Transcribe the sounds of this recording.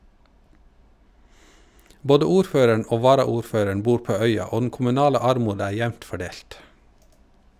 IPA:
ˈboːdə ˈuːɾˌføːɾəɳ ˈʔoː ˈʋɑːɾɑuːɾˌføːɾəɳ ˈbuːɾ ˈpoː ˈœʏɑ ˈoː dn̩ kʊmʉˈnɑːlə ˈɑɾˌmuːd ˈæː ˈjæʋnt fɔˈɖeːlt

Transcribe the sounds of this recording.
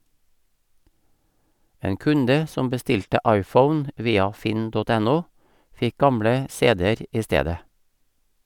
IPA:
ˈeːŋ ˈkʉndə ˈsɔm bəˈstɪltə ˈɑɪˌfəʊn ˈʋiːɑ ˈfɪn ˈdɔt ˈɛˌnuː ˈfɪk ˈɡɑmɽə ˈseːdɛəɾ ˈiː ˈsteːdə

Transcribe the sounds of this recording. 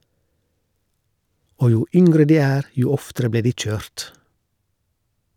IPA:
ˈoː ˈjuː ˈʏŋɡɾə ˈdiː ˈæːɾ ˈjuː ˈɔftəɾə ˈbleː ˈdiː ˈc͡çøːɾt

